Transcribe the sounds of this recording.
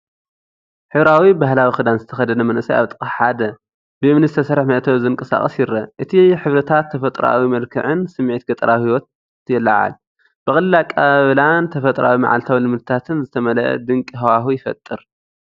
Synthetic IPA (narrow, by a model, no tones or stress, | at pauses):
ħɨβɾawibahlawixɨd̪anzɨt̪ʰɐxɐd̪ɐnɐmɐnʔɨsaja̰βt̪ʼɨkʼɐħħad̪ɐ | bɨɨmnɨzɨt̪ʰɐsɐɾɨħmɐʔt̪ʰɐβzɨŋkʼɐsa̰χʼɐsjɪɾɐʔɨt̪ʰiħɨβɾɐt̪ʰat̪ʰːɐfɐt̪ʼɾa̰wimɐlkʰɨ̰ʕɨnsɨmʕet̪ɡɐt̪ʼɐɾʔawhiwɔt̪̚ː | jɛlːaʕa̰l | b̥ɨxʼɨlɨlakʼaβlant̪ʰɐfɐt̪ʼɾʔa̰wima̰ʕa̰lt̪ʰawlɨmɨd̪ɨt̪ʰat̪ʰɨnzɨt̪ʰɐmɐlɐʔɐ̰d̪ɨŋkʼiɦɐwaɦujɪfɐ̰t̪ʼːɨɾ